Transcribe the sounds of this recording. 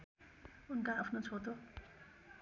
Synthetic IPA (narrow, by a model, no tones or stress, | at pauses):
unkaʌpʰnot͡sʰot̪o